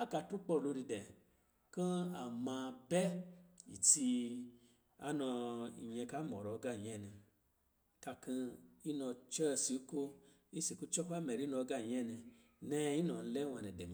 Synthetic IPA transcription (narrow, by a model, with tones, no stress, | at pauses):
a˦ka˧tu˦k͡pɔ˦˨lo˧ɾi˧dɛ˨ | kã˦a˨mã˧bɛ˦ḭ˨ti˧ | a̰˦nɔ̃˧ḭ˨ɲɛ̃˧ka˦mɔ̰˨ɾɔ˨˧ɡa˦˨ɲɛ˦˨nĩ˧ | ta˧kĩ˦i˦nɔ̃˧t͡ʃɛ˦˧˨si˧u˦ko˦ | i˦si˨ku˦t͡ʃɔ˦ka˦mɛ˨ɾi˨˦nɔ̃˧˦ɡa˦˨ɲɛ̃˦˨nĩ˧ | nɛ̃˦i˦nɔ̃˨n̩˧lɛ˦w̃ã˧nɛ̃˨dɛ˨m̃˨˦